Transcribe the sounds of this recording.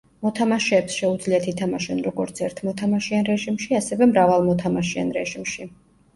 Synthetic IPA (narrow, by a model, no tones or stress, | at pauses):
mɔt̪ʰamaʃɛːpsʃɛud̪zliat̪ʰit̪ʰamaʃɛnɾɔɡɔɾt̪sʰɛɾt̪ʰmɔt̪ʰamaʃianɾɛʒimʃiasɛvɛmɾavalˠmɔt̪ʰamaʃia̰nɾɛʒimʃi